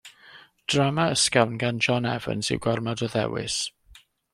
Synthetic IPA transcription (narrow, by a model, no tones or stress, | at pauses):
d̥ramaəskawnɡand͡ʒɔnɛvə̰nsɪ̰wɡɔrmadɔðɛ̰wɪ̰s